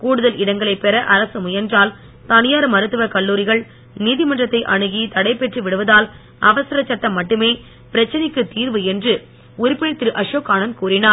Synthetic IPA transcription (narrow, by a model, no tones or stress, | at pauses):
kuːɽɯðɐlɪɽɐŋɡɐɭɐɪpːɛɾɐʔɐɾɐsɯmʊjɐɾnd͡ʒaːl | t̪ɐnɪjaːɾɐmɐɾɯt̪ːɯʋɐkɐɭːuːɾɪɣɐɭ | niːðɪmɐndrɐt̪ːɐɪʔɐɳɯɣit̪ɐɽɐɪpːɛʈrɯʋɪɽɯʋɐðaːl | ɐʋɐsɐɾɐt͡ʃːɐʈːɐmːɐʈːɯmeː | pɪɾɐt͡ʃːɐnɪkːɯt̪iːɾʋɯɛndrɯ | ʊɾɪpːɪnɐɪt̪ːɪɾɯʔɐʂoːkːaːnɐnkuːrɪnaːɾ